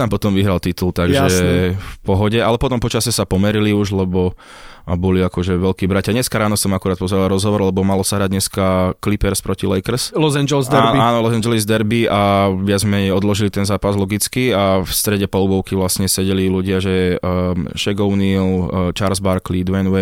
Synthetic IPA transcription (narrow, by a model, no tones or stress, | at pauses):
t̪ampɔt̪ɔmʋiɦɾalt̪it̪ult̪aɡʒɛfpɔɦɔɟɛalɛpɔt̪ɔmpɔt͡ʃasɛsapɔmɛɾiliuʒlɛbɔ | bɔliakɔʒɛʋɛlkiːbɾacad̪ɲɛskaɾaːnɔsɔmakuɾaːt̪̚pɔzɛɾalaɾɔzɦɔʋɔɾlɛbɔmalɔsaɦɾaɟd̪ɲɛskaklipɛɾspɾɔcilɛjkɾ̩slɔzand͡ʒɛlzd̪anaːnɔlɔsand͡ʒɛlizd̪ɛɾbiʔaʋɪad͡zmɛɛɔd̪lɔʒilit̪ɛnzaːpazlɔɡit͡skiafst̪ɾɛɟɛpɔlubɔʊkiʋlasɲɛsɛɟɛliluɟɪaʒɛ | ʃɛɡɔʊnilt͡ʃaɾzbaɾklid̪ʋɛnʋɛ